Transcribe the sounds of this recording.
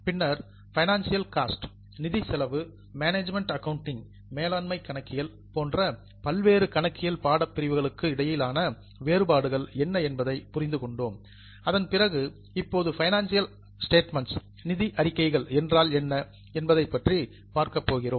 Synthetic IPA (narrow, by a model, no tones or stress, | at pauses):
pɪnːɐɾ | fɐɪnaːnsɪjɐlkaːsʈ | nɪðisɛlɐʋɯ | maːneːd͡ʒmɛɳʈɐkɐʋʊɳʈɪŋ | meːlaːnmɐɪkːɐɳɐkːɪjɐl | poːndrɐ | pɐlʋeːɾɯkɐɳɐkːɪjɐlpaːɽɐpːɪɾɪʋɯɣɐɭɯkːɯɪɽɐjɪlaːnɐ | ʋeːɾɯbaːɽɯɣɐɭɛnːɐɛnbɐðɐɪpʊrɪnd̪ɯkɔɳɖoːm | ɐðɐnpɪrɐɣɯ | ɪpːoːðɯfɐɪnaːnsɪjɐl | sʈeːʈmɐns | nɪðiʔɐɾɪkːɐɪɣɐɭɛndraːlɛnːɐ | ɛnbɐðɐɪpːɐʈri | paːɾkɐpːoːɣɪroːm